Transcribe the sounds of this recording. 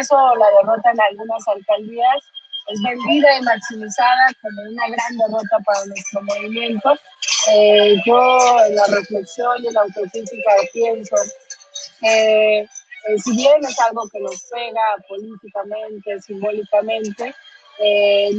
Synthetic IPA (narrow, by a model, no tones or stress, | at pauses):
so̞laðe̞ro̞t̪aenalɣunasalkald̪iasezβe̞nd̪iðaimaksimisað̞ako̞mounaɣɾand̪e̞ro̞t̪apaɾanwe̞st̪ɾo̞mo̞β̞imjẽ̞nt̪o̞ | eʝoelare̞fle̞ksjo̞nilaːwt̪o̞kɾisikapje̞nso | ke | siβje̞ne̞salɣo̞ke̞no̞spe̞ɣapo̞lit̪ikamẽ̞nt̪e̞simbo̞likamẽ̞nt̪e̞ | e